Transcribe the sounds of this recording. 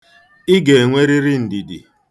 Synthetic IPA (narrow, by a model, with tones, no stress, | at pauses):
i˦ɡe˨ŋʷe˦ɾi˦ɾi˦n̩˨di˨dḭ˨